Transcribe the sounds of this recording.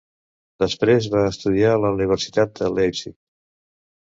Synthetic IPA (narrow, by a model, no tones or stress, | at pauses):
d̪əspɾezβaəst̪uðialəuniβ̞əɾsi̥t̪at̪̚d̪əlɛzik